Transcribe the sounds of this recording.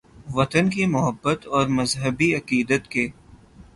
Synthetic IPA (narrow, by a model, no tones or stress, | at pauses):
ʋɐt̪ənkimʊɦəbːət̪ɔːɾmɐzɦəbiɐqiːd̪ət̪keː